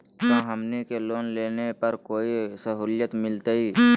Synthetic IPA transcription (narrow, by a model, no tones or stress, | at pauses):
kãːɦəmnekeloːnleːnepəɾkoːisəɦuːlɪjət̪mɪlt̪eiː